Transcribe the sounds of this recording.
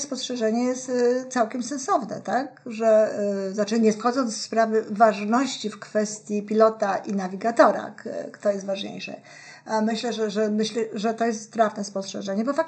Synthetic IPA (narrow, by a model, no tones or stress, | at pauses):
spɔstʂɛʐɛɲɛjɛst̪t̪sawkʲɛmsɛ̃nsɔvnɛ̰t̪akʐɛznat͡ʂɘɲɛxɔd̪zɔnt̪spɾavɘvaʐnɔɕt͡ɕifkfɛst̪ʲjipʲilɔt̪aʔinavʲiɡat̪ɔɾa̰t̪ɔjɛst̪vaʐɲḛjʂɛ̰ | amɘɕlɛʐɛʐɛmɘɕlɛʐɛt̪ɔjɛst̪ːt̪ɾafnɛspɔstʂɛʐɛɲɛbɔfak